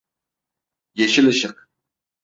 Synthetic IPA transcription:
jeʃɪlɪʃɪq

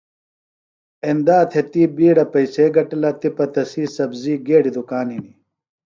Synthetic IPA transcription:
end̪aːt̪ʰet̪iːbiːɽɐpɐjseːɡɐʈɐlɐt̪ipɐt̪ɐsiːsɐbziːɡeːɽid̪ukaːnɦini

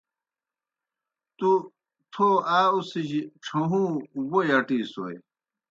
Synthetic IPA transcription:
t̪u | t̪ʰoaːusiʑiʈ͡ʂʰoɦũːwojɐʈiːso̰j

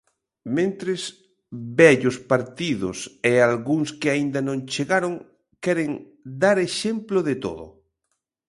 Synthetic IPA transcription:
mẽnt̪ɾɪs | bɛʎʊspaɾt̪iðʊsealɣuŋskɪaind̪ɐnõŋt͡ʃeɣaɾoŋ | kɛɾeŋ | d̪aɾeʃemploðet̪o̰ðʊ̰

